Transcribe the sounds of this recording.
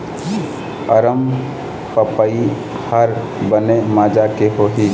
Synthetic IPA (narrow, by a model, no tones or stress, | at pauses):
əɾəm | pəpəi | həɾ | bənemaːd͡ʒakeɦoɦi